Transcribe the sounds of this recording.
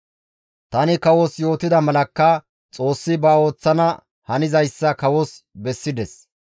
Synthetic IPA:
t̪ɐnɪkɐwɔsjo̞ːt̪ɪd̪ɐmɐlɐkːɐ | t͡sʼo̞ːsːɪbɐo̞ːt͡sːɐnɐ | hɐnɪzɐjsːɐkɐwɔs | bɛsːɪd̪ɛs

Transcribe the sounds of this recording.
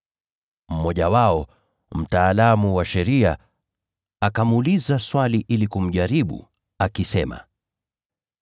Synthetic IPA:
m̩mɔʄawaɔ | m̩taːlamuwaʃɛɾia | akamulizaswaliʔilikum̩ʄaɾiɓṵ | akisɛma̰

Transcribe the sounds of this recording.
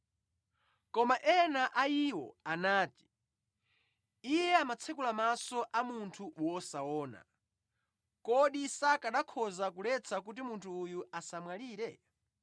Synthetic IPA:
kɔmaʔɛnaʔaiwɔ̰anaːti̥ | ijɛamat͡sʰɛkulamasɔʔamuntʰuwɔsawɔːna̰ | kɔɗisakaɗakʰɔzakulɛt͡sʰak̬ut̬imuntʰuːjuasamwaliːɾɛ

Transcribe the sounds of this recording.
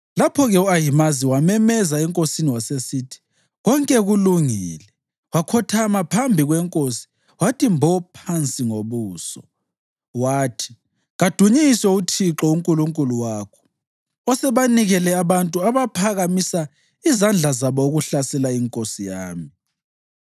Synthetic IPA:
lapʰɔɣɛuajimaziwamɛmɛzaɛŋkʼosiniwasesitʰi̥ | ɣɔŋkʼɛɣuluŋiːlɛ | wakʰɔtʰamapʰambʱiɣwɛŋkʼosi̥ | watʼimbʱɔpʰant͡sʼiŋoβuːsɔ | waːtʰi̥ | ɣad̥ʱuɲisɔutʰiǁɔuŋkʼuluŋkʼuluwaːkʰɔ̥ | ɔsɛβaniɣɛlɛaβantʼuaβapʰaɣamisa | izand͡ɮʱazaβɔuɣuɬasɛlaiŋkʼosijaːmi

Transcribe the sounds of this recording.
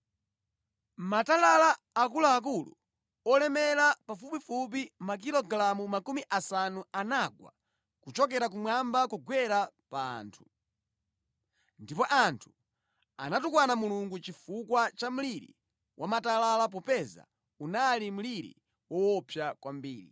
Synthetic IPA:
matalalaː | kulaːk̬ulṵ | ɔlɛmɛɾapafupifup̬imak̬ilɔɡlamumakumiʔasanuanaɡwa̰ | kut͡ʃɔk̬ɛɾak̬umwambakuɡwɛɾa | pa̰ːntʰu̥ | ndipɔʔantʰu̥ | a̰natukwanamuluŋɡut͡ʃifukwat͡ʃam̩liɾḭ | wʔamatalalap̬ɔpɛza̰ | unalim̩liɾḭ | wɔwɔpʰjakwambḭːɾḭ

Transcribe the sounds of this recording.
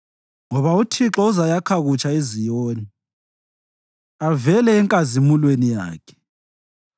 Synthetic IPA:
ŋɔβautʰiǁɔuzajakʰaɣut͡ʃʰʼaezijoːni | avɛlɛːŋkʼazemulwenija̰ːkʰɛ̥

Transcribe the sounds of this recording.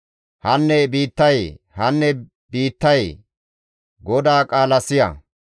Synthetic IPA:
hɐnːɛbiːt̪ːɐj | hɐnːɛ | biːt̪ːɐj | ɡɔd̪aːkʼaːlɐsɪjɐ̰

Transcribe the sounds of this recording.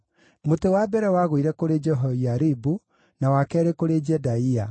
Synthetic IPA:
motewabɛɾɛwaɣoiɾɛkoɾed͡ʒɛɦoiaɾibu | nawakɛɾekoɾed͡ʒɛdaia

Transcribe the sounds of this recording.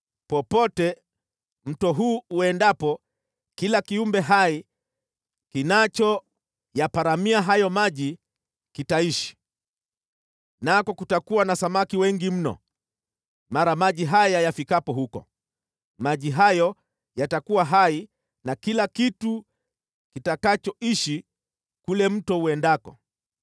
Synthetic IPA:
pɔpɔtɛ | m̩tɔɦuːuɛndapɔ | kilakiumbɛɦai | kinat͡ʃɔ | japaɾamiaɦajɔmaʄi | kitaiʃi̥ | nakɔkutakuwanasamakiwɛŋɡim̩nɔ̰ | maɾamaʄiɦajajafikapɔhukɔ̰ | maʄiɦajɔ | jatakuwaɦai | nakilakitu | kitakat͡ʃɔiʃi | kulɛm̩tɔuɛndakɔ̰

